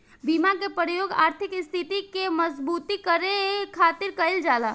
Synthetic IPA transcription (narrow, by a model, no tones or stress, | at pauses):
bimakepɾjoɡa̰ːɾt̪ʰikst̪ʰit̪ikeməzbut̪ikəɾekʰaːt̪iɾkəɪld͡ʒaːla